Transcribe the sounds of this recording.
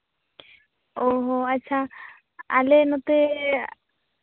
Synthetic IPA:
oɦoatːɕʰa | a̰lenot̪e

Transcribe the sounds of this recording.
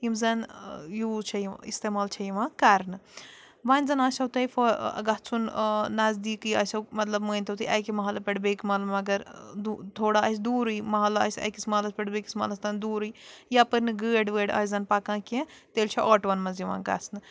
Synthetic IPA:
imzɐnjuːt͡ʃʰɐist̪eːmaːlt͡ʃʰɐjiʋãkaɾnɨ | ʋaːnʲzɐnɐːsɐwt̪ɐjfʰoɐ̰ɡɐt͡sʰunnɐzd̪iːkɨjɐ̰sʲɐwmɐt̪lɐbməːnʲt̪ʰɐwt̪ʰɨʔɐjkimɐɦɐlɐpʲɐʈbekmɐt̪lɐmɐɡɐɾd̪ut̪ʰoːɽaɐs̬d̪uːɾɨjmɐɦɐlaɐ̰sʲɐ̰jkismɐɦlɐspʲɐʈbeki̥smɐlɐst̪ɐnd̪uːɾɨjjapɐɾnɨɡəːɖʋəːɖɐ̰ːzɐnpakãːkẽt̪elʲt͡ʃʰɐʔɔːʈʋɐnmɐnziʋa̰ːɡɐ̰t͡snɨ

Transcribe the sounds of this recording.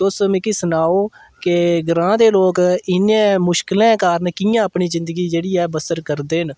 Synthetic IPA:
t̪ʊsmɪ̃ːkiːsənaːoː | kɪɡɾãːd̪eːloːkɪnẽːmʊʃkɪlɛ̃ːkaːɾnkiːjãːəpɳiːzɪ̃nd̪əɡiːd͡ʒeːɽiːɛːbəsəɾkəɾd̪eːɦɪn

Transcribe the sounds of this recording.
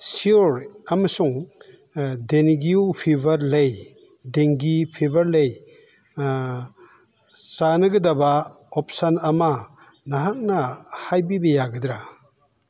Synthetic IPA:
siɔɾamasuŋ | denɡiupʰibʱaɾlej | deŋɡipʰibaɾlej | sanɯɡɯdaba | ɔp̚sanama | naɦak̚nahajbibejaɡɯdɾa

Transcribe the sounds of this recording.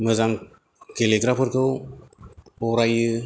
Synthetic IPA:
mɯzaŋ | keliɡɾapʰɯɾkɯw | ɔɾajɯ

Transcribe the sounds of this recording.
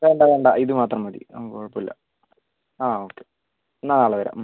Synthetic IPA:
ʋeːɳɖaʋeːɳɖa̰ʔiðɨmaːt̪rɐmʋɐd̪ḭkoɻpːoilːɐ̰ | aːoːkːe | enːanaːɭɐʋɐɾa̰

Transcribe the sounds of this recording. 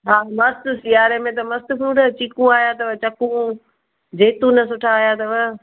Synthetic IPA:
ɦaːmɐst̪ʊsɪjaːɾemẽt̪̬ɐmɐst̪ʊpʰɾuːʈɐt͡ɕikũaːjat̪ɐʋɐt͡ɕɐkũ | d͡ʑeːt̪ũnɐsʊʈʰaːɦijat̪ɐʋɐ

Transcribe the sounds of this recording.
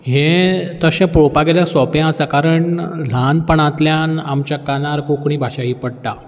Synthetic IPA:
ɦẽt̪əɕɛ̃pɾopaɡeljasɔpjẽəsakaɾəɳl̤anpəɳãt̪ljãnamt͡ɕjakanaɾkõkɽ̃iːbʱaɕaɦiːpəɽʈa

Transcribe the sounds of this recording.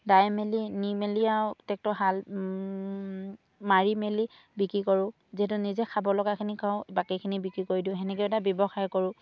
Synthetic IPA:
dajmelinimelijatɛk̚tɔɦal | maɹimeli | bikɹikoɹʊ̃ | ziɦɛtunizɛkʰabɔlɔɡakʰinikaʊbakikʰinibikɹikoɹidiʊ̃ɦɛnɛkɛɛtabjɔbɔxaɹkɔɹʊ̃

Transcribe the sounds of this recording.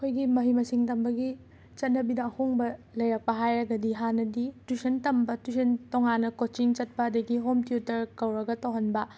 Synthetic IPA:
ɐkʰojɡimɐɦimɐsiŋtɐmbɐɡi | t͡ʃɐt̚nɐbinɐːhoŋbɐlɐjɾɐk̚pɐɦajɾɐɡɐdiɦanɐditusɐntɐmbɐtusentoŋanːɐkot͡ʃiŋt͡ʃɐt̚pɐːdɐɡiɦomtiutɐɾkɐwɾɐɡɐtowɦɐnbɐ

